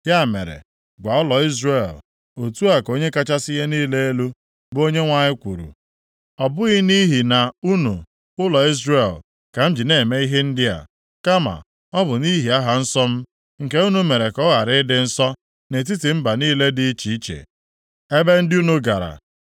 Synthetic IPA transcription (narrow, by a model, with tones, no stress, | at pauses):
ja˦˨mḛ˨ɾḛ˨ | ɡʷa˨ʊ˦lɔ˨i˦zɾe˦˨l | o˨tu˦a˨ko˦ɲe˦ka˦t͡ʃa˦sɪ˦ɦe˦niː˦le˦e˦lu˦ | bo˦ɲe˦ŋʷa˦˨ɲɪ˦kʷṵ˨ɾṵ˨ | ɔ˨bʊ˦ɣɪ˦ni˦ɦi˨na˨u˦nṵ˨ | ʊ˦lɔ˨i˦zre˦˨l | ka˨m̩˦d͡ʒi˨ne˨me˦i˦ɦe˦n̩˦dɪ˦a̰˨ | ka˦ma̰˨ | ɔ˦bʊ˨ni˦ɦi˨a˦ɦa˨n̩˦sɔ˦m̩˦ | ŋ̩˨ke˦u˦nu˦me˨ɾe˨kɔ˦ɣa˨ɾɪ˦dɪ˨˦n̩˦sɔ˦ | ne˨t̬i˦ti˨m̩˦ba˨niː˦le˦dɪ˦t͡ʃi˨i˦t͡ʃḛ˨ | e˦be˦n̩˦dɪ˦u˦nu˦ɡa˨ɾa̰˨